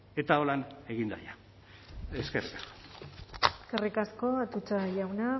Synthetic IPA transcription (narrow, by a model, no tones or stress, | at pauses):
e̞t̪ao̞lane̞ɣind̪a̰ja | eskerikaso̥ | eskerikasko̞at̪ut͡saʝawna